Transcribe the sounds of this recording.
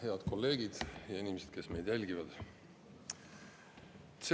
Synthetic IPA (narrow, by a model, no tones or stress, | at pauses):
he̞ɑd̪̥ko̞lːe̞ːɡ̥id̪̥jɑenʲimesed̪̥ke̞sme̞jd̪̥jælʲɡivɑd̪̥ | t̪se